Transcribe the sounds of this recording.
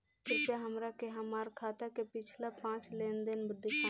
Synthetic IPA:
t̪ɪɾpjaɦəmɾakeɦəmaːɾkʰaːt̪akepɪt͡ʃʰlapãːt͡ʃleːnd̪ɪnbʊd̪ʱːiʃã

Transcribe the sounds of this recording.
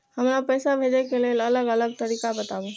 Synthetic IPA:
həmlapɛːsabʱeːd͡ʒekelelələɡələɡ̚t̪əɾiːkabət̪abo

